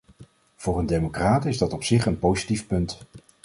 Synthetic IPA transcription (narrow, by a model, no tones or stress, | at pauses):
v̥ʊːrəndejmokraːtɪzdɑtɔpsɪχənpowzitifpɵnt